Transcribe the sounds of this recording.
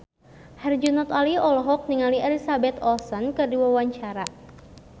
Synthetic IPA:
hɛrd͡ʒunɔt̪aliɔlɔɦɔk̚niŋaliɛlisabɛt̪ɔsənkɨrdiwawaɲt͡ʃaɾa

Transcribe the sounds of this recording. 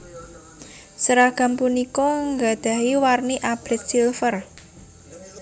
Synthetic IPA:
səɾaɡ̥a̤mpunikɔŋɡa̤d̪̥a̤ɦiwarniʔab̥ɾɛt̪̚silfər

